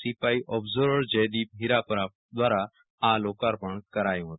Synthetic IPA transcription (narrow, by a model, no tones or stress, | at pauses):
sipaːiʔɔbzoɾɽd͡ʒəjd̪iːp̚ɦiɾapɾa | d̪waːɾa | aloːkaɾpəɳkɐɾaːjũɦot̪